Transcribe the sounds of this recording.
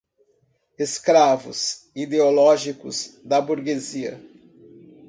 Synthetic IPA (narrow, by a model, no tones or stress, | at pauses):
eskɾavʊ̰zid̪eolɔʒikʊzd̪ɐbuɾɡeziɐ̰